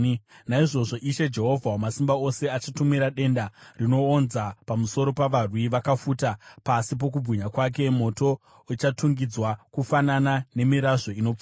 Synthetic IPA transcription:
naiʐo̞ʐo̞ʔiʃe̞d͡ʒe̞ɦo̞vʱawomasimbao̞se̞at͡ʃatumiɾaɗe̞ndarino̞ːnzapamuso̞ɾo̞paʋarwiʋakafutapasip̬o̞k̬ubʱwiɲakwak̬e̞mo̞to̞ | ut͡ʃatuŋɡid͡zwakufananane̞miɾaʐo̞ino̞p͡fa

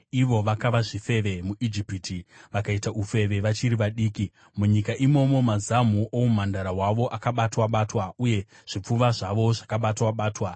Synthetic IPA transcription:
iʋo̞ʋakaʋaʐife̞ʋe̞muʔid͡ʒipitiʋakaitaʔufe̞ʋe̞ʋat͡ʃiɾiʋaɗiːki | muɲikaʔimo̞mo̞mazam̤uʔoum̤andaɾaɦwaʋo̞ʔakaɓatwaɓatwauje̞ | ʐ̥ip͡fuʋaʐaʋo̞ʐakaɓatwaɓaːtwa

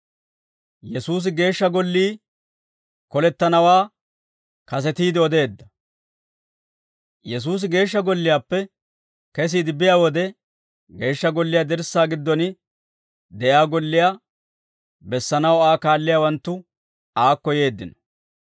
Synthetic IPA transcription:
jɛsuːs̬ɪɡe̞ːʃːɐɡɔlːiː | kɔlɛt̪ːɐnɐwaː | kɐs̬ɛt̪iːd̪ɪɔd̪e̞ːd̪ːɐ | jɛs̬uːs̬ɪɡe̞ːʃːɐɡɔlːɪjaːpːɛ | kɛs̬iːd̪ɪbɪjaːwɔd̪ɛ | ɡe̞ːʃːɐɡɔlːɪjaːd̪ɛɾsːaːɡɪd̪ːɔnɪ | d̪ɛʔjaːɡɔlːɪjaː | bɛsːɐnɐwaːkaːlːɪjaːwɐnt̪ːʊ | aːkːɔje̞ːd̪ːɪnɔ̥

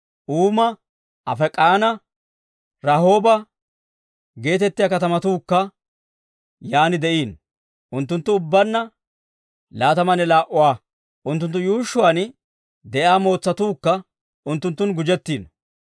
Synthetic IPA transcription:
ʔuːmɐ | ʔɐ̰fɛkʼaːnɐ | ɾɐho̞ːbɐ | ɡe̞ːt̪ɛt̪ːɪjaːkɐt̪ɐmɐt̪uːkːɐ | jaːnɪd̪ɛʔiːn | ʔʊnt̪ːʊnt̪ːʊʊbːɐnːɐ | laːt̪ɐmɐnɛlaːʔʊwaː | ʔʊnt̪ːʊnt̪ːʊjuːʃːʊwaːn | d̪ɛʔjaːmo̞ːt͡sːɐt̪uːkːɐ | ʊnt̪ːʊnt̪ːʊnɡʊd͡ʒɛt̪ːiːn

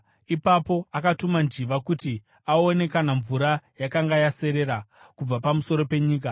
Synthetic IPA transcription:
ipapo̞akatumand͡ʒiʋakuti | ao̞ne̞kanaɱvuɾajakaŋɡajase̞ɾe̞ɾakub͡vapamuso̞ɾo̞pe̞ɲiːk̬a

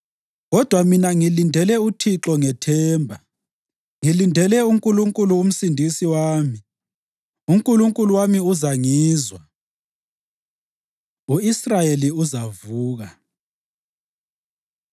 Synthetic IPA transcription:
ɣɔd̥ʱwaminaŋilindʱɛlɛutʰiǁɔŋɛtʰɛːmbʱa | ŋilindʱɛlɛuŋkʼuluŋkʼuluːm̩sindʱisiwaːmi | uŋkʼuluŋkʼuluwamiuzaŋiːzwa | uisrajeliuzavuːɣa

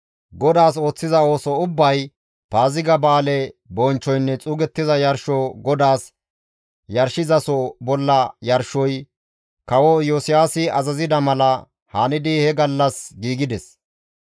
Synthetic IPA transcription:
ɡɔd̪aːs̬o̞ːt͡sːɪzɐo̞ːsɔʊbːɐj | paːzɪɡɐbaːlɛbɔnt͡ʃːɔjnːɛt͡sʼuːɡɛt̪ːɪzɐjɐɾʃɔɡɔd̪aːs | jɐɾʃɪzɐsɔbɔlːɐjɐɾʃɔj | kɐwɔjosɪjaːsɪɐzɐzɪd̪ɐmɐlɐ | hanɪd̪ɪhɛɡɐlːɐsɡiːɡɪd̪ɛs

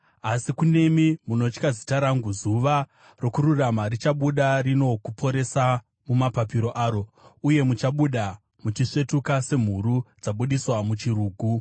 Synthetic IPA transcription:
asikune̞mimunot͡ʃkazitaɾaŋɡuzuʋa | ro̞kuɾuramaɾit͡ʃaɓuɗarino̞kupʰo̞ɾe̞sa | mumapapiɾo̞ʔaːɾo̞uje̞mut͡ʃaɓuɗa | mut͡ʃiʂe̞tukase̞m̤urud͡zaɓuɗiswamut͡ʃiruːɡʱu

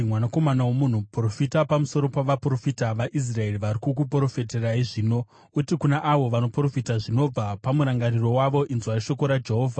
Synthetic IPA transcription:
mwanako̞manawomun̤upro̞fitapamuso̞ɾopaʋapro̞fitaʋaʔis̬rae̞riʋaɾikuk̬up̬oɾo̞feteraiʐiːno̞ | utikunaʔaʋo̞ʋano̞pro̞fitaʐino̞b͡vapamuɾaŋɡariro̞waʋo̞ʔinzwariʃo̞ko̞ɾad͡ʒe̞ɦo̞ːvʱa

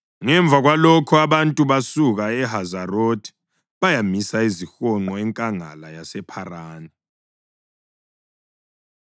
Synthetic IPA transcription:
ŋɛɱb̪vʱaɣwalɔkʰɔaβantʼuβasuɣaɛɦazarotʰʼi̥ | βajamisaizixɔŋ͡ǃɔɛŋkʼaŋa̰lajasɛpʰaraːna

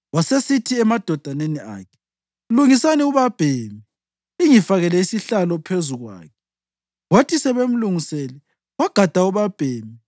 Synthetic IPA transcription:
wasesitʰiɛmad̥ʱɔd̥ʱanenia̰ːkʰɛ̥ | uluŋisaniuβab̥ʱeːmi | iŋifaɣɛlɛisiɬalɔpʰezuɣwa̰ːkʰɛ | ɣwotʰisɛβem̩luŋiseli | waɡ̥ʱad̥ʱauβab̥ʱeːmi

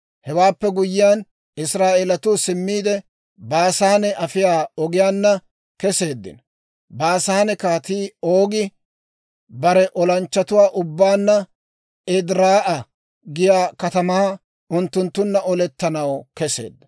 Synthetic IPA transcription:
hɛwaːpːɛɡʊjːɪjaːn | ɪsɾaːʔeːlɐt̪ʊsɪmːiːd̪ɛ | baːsaːnɛʔɐfɪjaːɔɡɪjaːnːɐ | kɛse̞ːd̪ːɪ̰n | baːsaːnɛkaːt̪iːoːɡɪ | bɐɾɛʔɔlɐnt͡ʃːɐt̪ʊwaːʔʊbːaːnːɐ | ɛd̪ɾaːʔɐ | ɡɪjaːkɐt̪ɐmɐɐ | ʊnt̪ːʊnt̪ːʊnːɐʔɔlɛt̪ːɐnɐwkɛse̞̰ːd̪ːɐ̥

